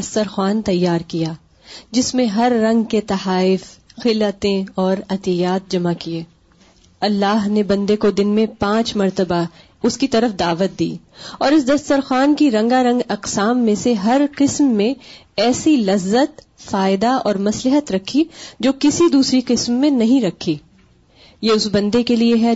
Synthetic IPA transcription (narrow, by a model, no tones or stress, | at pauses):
ɐst̪əɾxwaːnt̪ɐjːaːɾkijaː | d͡ʒɪsmẽɦɐɾːɐ̃ŋɡket̪ɐhaːɪfxɪlət̪ẽɔːɾɐt̪ijaːt̪̚d͡ʒɐmakieː | ɐlːaːɦnebɐ̃nd̪ekod̪ɪnmẽpãːt͡ʃmɐɾt̪əba | ʊskit̪ɐɾəfd̪aːʋət̪̚d̪ḭː | ɔːɾɪs̬d̪ɐst̪əɾxaːnkiɾɐ̃ŋɡaɾɐ̃ŋɡɐqsaːmːẽseɦɐɾqɪsmːẽɛːsilɐzːət̪ | faːɪd̪aɔːɾmɐslɪɦət̪ɾɐkʰːid͡ʒoːkɪsid̪uːsɾiqɪsmːẽnɐɦĩɾɐkʰːi | jeʊsbɐ̃nd̪ekelieɦɛ